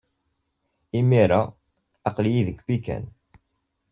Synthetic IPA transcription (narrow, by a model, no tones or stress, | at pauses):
imiɾa | ɑqljiðəkːbikæ̰n